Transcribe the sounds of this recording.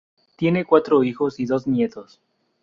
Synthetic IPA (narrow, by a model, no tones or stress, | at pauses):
t̪je̞ne̞kwat̪ɾoixosiðo̞znje̞t̪os